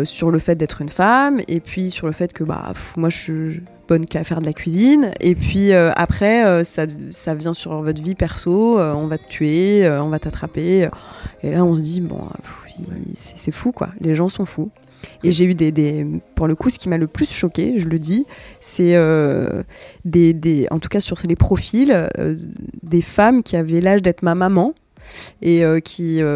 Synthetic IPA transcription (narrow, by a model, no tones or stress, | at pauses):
syʁləfɛt̪̚d̪ɛt̪χynfamḛpɥisyʁləfɛt̪kəba̰fmwaʒʃi | b̥ɔnkafɛʁd̪əlakʲɥizinḛpɥiøa̰pχɛøsasavjɛ̃syʁvɔt̪χvipɛʁsoøɔ̃vat̪ət̪ʰɥeøɔ̃vat̪at̪χapeøelaɔ̃səd̪ibɔ̰̃fḭsɛ̥sɛfukwa̰leʒɑ̃sɔ̃fu | eʒeyd̪ed̪epuʁləkusə̥kʲimaləplysʃɔkʲḛʒələd̪isɛø | d̪ed̪eɑ̰̃t̪u̥kasyʁsɛlepχɔfilø̰d̪efamkʲʰiavɛlaʒd̪ɛt̪χmamamɑ̃ | eøkʲʰiø